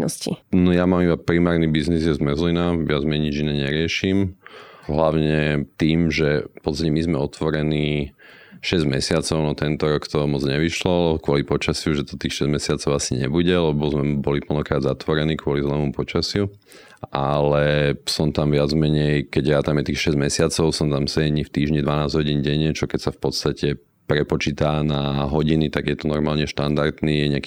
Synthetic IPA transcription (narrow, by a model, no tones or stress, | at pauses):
nɔ̰scḭnɔjamamibapɾimaːɾnibiznizjɛzmɛzlinaʋɪad͡zmɛɲid͡ʒinɛːɲɛɾɪɛʃimɦlaʊɲɛt̪iːmʒɛpɔt͡st̪acɛmizmɛɔt̪ʋɔɾɛniː | ʃɛzɟmɛsɪat͡sɔʊnɔt̪ɛnt̪ɔɾɔkt̪ɔmɔd͡zɲɛʋiʃlɔkʊɔlipɔt͡ʃasɪuʒɛt̪ɔ̥t̪iːxʃɛzmɛsɪat͡sɔʊasiɲɛ̰buɟɛlɛbɔzmɛbɔlipl̩nɔkɾaːd̪zat̪ʋɔɾɛniːkʋʊɔlizlɛːmupɔt͡ʃasɪu | ʔalɛsɔmt̪amʋɪad͡zmɛɲɛjkɛɟjat̪amjɛt̪iːxʃɛzɟmɛsɪat͡sɔʊsɔmt̪amsɛɛɲift̪iːʒɲid̪ʋanaːzɟɦɔɟiːnɟɛɲɛt͡ʃɔkɛcsafpɔt̪st̪acɛ | pɾɛpɔt͡ʃiːt̪aːnaɦɔɟinit̪aɡjɛt̪ɔnɔɾmaːlɲɛʃt̪and̪aɾt̪niːjɛɲɪaki